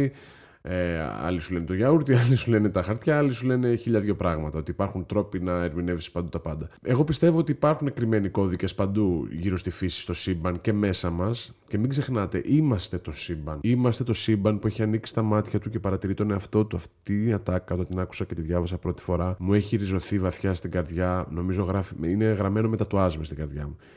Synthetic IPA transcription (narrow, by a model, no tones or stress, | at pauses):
eɐ̰lisule̞net̪oʝɐuɾt̪iɐlisule̞net̪ɐxɐɾt̪çɐɐlisule̞ne̞çiʎɐðʝo̞pɾɐɣmɐt̪ɐo̞t̪ipɐɾxunt̪ɾo̞pinɐeɾminevsi̥pɐnd̪ut̪ɐpɐnd̪ɐe̞ɣo̞pist̪e̞voot̪iːpɐɾxune̞kɾime̞niko̞ðice̞spɐnd̪uʝiɾo̞st̪ifisi̥st̪o̞sibɐnce̞me̞sɐmɐs | ce̞miɡze̞xnɐt̪e̞ʔimɐst̪et̪o̞sibɐnimɐst̪e̞t̪o̞sibɐnpue̞çiɐniksi̥t̪ɐmɐt̪çɐt̪uce̞pɐɾɐt̪iɾit̪o̞neɐft̪o̞t̪uɐft̪iɐt̪ɐkːɐot̪ot̪inɐku̥sɐcet̪iðʝɐvɐsɐpɾo̞t̪i̥fo̞ɾɐmue̞çiɾizo̞θivɐθçɐst̪iɡɐɾðʝɐno̞mizo̞ɣɾɐfiine̞ɣɾɐme̞no̞me̞t̪ɐt̪uɐzmist̪iɡɐɾðʝɐmu